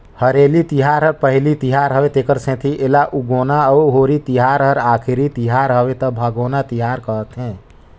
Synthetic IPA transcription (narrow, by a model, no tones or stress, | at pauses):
həɾelit̪iɦaɾɦəɾpəɦlit̪iɦaɾɦəʋet̪ekəɾsɛ̃t̪ʰiʔelaʔuɡonaəuɦoɾit̪iɦaɾɦəɾakʰiɾit̪iɦaɾɦəʋet̪əbʱəɡonat̪iɦaɾkəət̪ɦɛ̃